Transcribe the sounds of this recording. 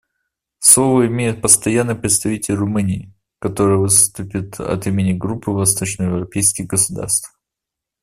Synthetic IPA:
slˠovəɪmʲejɪt̪̚pəst̪ɐjanːɨjpɾʲɪt̪st̪ɐvʲitʲɪlʲrʊmɨnʲɪː | kɐt̪o̞ɾɨjəvɨst̪ʊpʲɪt̪ʰɐ̰t̪imʲɪnʲɪɡɾupːɨvɐst̪o̞t͡ɕnəjɪvɾɐpʲejskʲɪɣɡəsʊd̪a̰rst̪f

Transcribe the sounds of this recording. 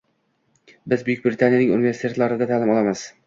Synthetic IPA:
bɪzbʊjʊk̚ʲbɾɪt̪ʰanijanɪŋʊ̰nɪvesɪ̥t̪ʰe̞t̪lˠaɾɪd̪at̪ʰaːlɪmɒlˠamɪz̥

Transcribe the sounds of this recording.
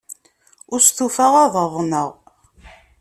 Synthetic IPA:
ʊɾst̪ufæʁaðˤəðˤnəʁ

